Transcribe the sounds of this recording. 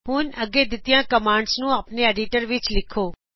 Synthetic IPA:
ɦʊnəɡed̪ɪt̪jãkəmãːɳɖsnũapneeɖiʈəɾʋɪt͡ʃlɪkʰoː

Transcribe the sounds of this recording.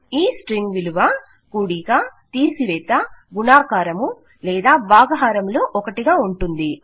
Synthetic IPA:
iːsʈɾiŋɡʋiluʋa | kuːɽiɡaːt̪iːsiʋɛːt̪ɐɡunaːkaːɾɐmu | lɛːd̪aːʋaːɡɐɦaːɾɐmloːʔɔkɐʈiɡaːuɳʈund̪i

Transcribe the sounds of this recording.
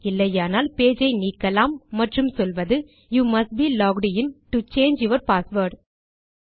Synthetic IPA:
ɪlːɐjaːnaːlpeːd͡ʒɐɪniːkːɐlaːmːɐʈrɯmsɔlʋɐðɯ | juːmɐsʈ̚biːlɔːɡɽɪjɪnʈut͡ʃeːnd͡ʒjɪʋɐɾpaːsʋoːɾɖ

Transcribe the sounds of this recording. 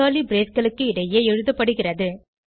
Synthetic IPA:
aːlibɾeːsɡɐɭɯkːɯɪɽɐjeːɛɻɯðɐpːɐɽɯɣɪrɐðɯ

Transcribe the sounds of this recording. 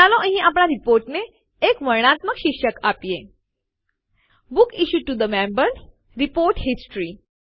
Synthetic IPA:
alɔʔə̃ɦĩʔap̬ɳaɾipoɾʈneː | kʋəɾɳ̃at̪məkɕikʂəkapje | bukiɕuʈud̪əmɛ̃mbəɾ | ɾipoɾʈɦisʈɾi

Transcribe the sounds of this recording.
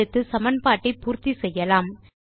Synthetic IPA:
ɯt̪ːɯsɐmɐnpaːʈːɐɪpuːɾt̪isɛjːɐlaːm

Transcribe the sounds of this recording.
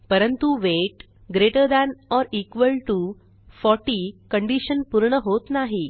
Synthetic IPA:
pəɾənt̪uʋeʈ | ɡɾeʈəɾd̪ɛnɔɾikʋəlʈu | fɔʈikəɳɖiɕənpuɾɳəɦot̪naɦi

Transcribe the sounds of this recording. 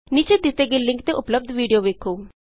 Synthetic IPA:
niːt͡ʃeːt̪ɪseːɡelːɪ̃ŋkt̪eʔʊpləb̚d̪ʋiːɖijoːʋeːkʰːoː

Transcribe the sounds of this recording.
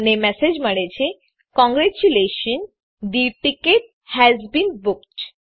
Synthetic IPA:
nemɛsed͡ʑməɽet͡ɕe | kɔ̃ŋɡɾɛt͡ɕuleʃən | d̪iʈikeʈ̚ | hɛzbĩːnbukʈ

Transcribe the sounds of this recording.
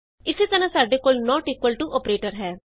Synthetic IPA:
ɪseːt̪ənãːsaːɖeːkoːlnɔːʈiːkwəlʈuʔɔːpɾeːʈəɾɦɛː

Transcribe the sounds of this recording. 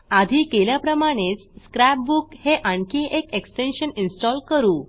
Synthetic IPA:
ad̪ʱiːkeljapɾəmaɽ̃et͡sskɾɛp̚bukheʔaɳkĩʔekeksʈenɕəninsʈɔlkəɾuː

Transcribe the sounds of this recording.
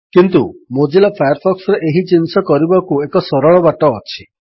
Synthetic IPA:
kint̪umod͡ʒilapʰajɔɾpʰɔksɔɾeʔeɦit͡ʃinsɔkɔɾibakuekɔsɔɾɔɭɔbaʈɔːt͡ʃʰi̥

